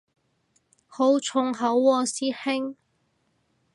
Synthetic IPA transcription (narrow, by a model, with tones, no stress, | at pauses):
ho˨˥wt͡ʃʰʊ˨˩ŋɦɐ˨˥wːɔː˧siː˥hɪ˥ŋ